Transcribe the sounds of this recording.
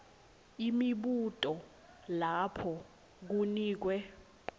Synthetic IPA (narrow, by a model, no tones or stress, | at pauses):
imiɓutʼɔ | lapʰɔ | k̬uniːk̬wɛ